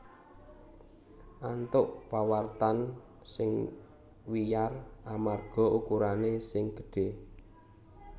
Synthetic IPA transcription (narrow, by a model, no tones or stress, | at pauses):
ʔant̪ʊʔpawart̪an | sɪŋ | wijaramarɡ̥ɔ̤ukuɾanesɪŋɡ̥ə̥ɖ̥e̤